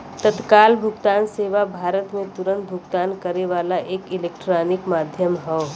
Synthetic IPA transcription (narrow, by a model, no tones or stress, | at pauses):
t̪ət̪kaːlbʱʊɡt̪aːnseːʋabʱaːɾət̪mẽt̪ʊɾə̃nt̪̚bʱʊɡt̪aːnkəɾeʋaːlaʔeːkɪleːk̚ʈɾaːnɪkmaːd̪ʱjəmɦɛː